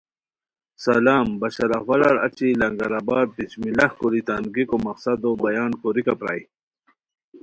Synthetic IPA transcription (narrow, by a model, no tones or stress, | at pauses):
sɐlaːmbɐɕaɾawɐlɐɾa̰t͡ɕilɐŋɡaɾabaːd̪̚pit͡ɕmilɐhkuɾit̪anɡikomɐqsad̪obɐjaːnkoɾikapɾa̰j